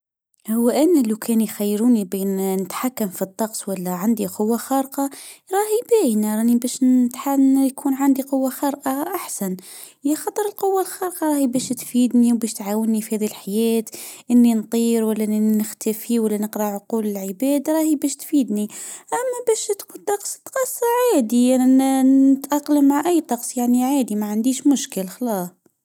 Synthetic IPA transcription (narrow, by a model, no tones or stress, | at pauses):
hʊwːʔɪnːlːakʰɛːnjxajːɾuːnibennɪt̪ħakːamfit̪ˤːɑqsˤwalːaʕand̪iqʊwːaxɑɾqɑɾˤɑːhibæːjnaɾˤɑnibæːʃt̪ħajkʰuːnʕand̪iqʊwːaxɑɾˤʔaʔaħsan | jaxɑt̪ˤəɾˤɪlqʊwːalxɑːɾqɑɾˤɑːhibɛːʃt̪fiːd̪niwbɛːʃt̪ʕaːwɪnːifihæːðilħajæːt̪ʔɪnːint̪ˤiːɾwælːæʔnːinɪxt̪ʰæfiwælːænəqɾɑʕʊquːlɪlʕəbæːd̪aɾˤɑːhibæːʃt̪fiːd̪niʔæmːæbæːʃt̪kut̪ˤɑqsˤt̪qɑsˤːɑʕaːd̪iʔænɪt̪ʔaqːləmːaʕʔæjːt̪ˤɑqsˤjaʕniʕaːd̪imaʕand̪iːʃmʊʃkəlxɑlɑːsˤ